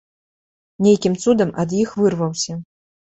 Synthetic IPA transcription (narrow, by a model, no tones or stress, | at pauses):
nʲejkʲimt̪sud̪ɐmɐd̪jixvɨrvɐwsʲɐ